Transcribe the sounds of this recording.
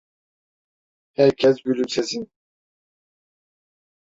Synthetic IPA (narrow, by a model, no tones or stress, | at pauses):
hæɾcʰɛs̬ɡylymsezin